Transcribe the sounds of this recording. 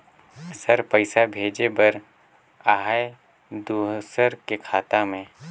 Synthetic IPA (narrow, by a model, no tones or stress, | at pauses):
səɾpəɪsabʱeːd͡ʒebɐɾ | aːɦa | d̪uːɦsəɾkekʰaːt̪amẽ